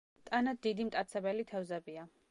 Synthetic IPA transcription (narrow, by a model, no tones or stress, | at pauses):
t̪ʼanad̪̚d̪id̪imt̪ʼat̪sʰɛbɛlit̪ʰɛvzɛbia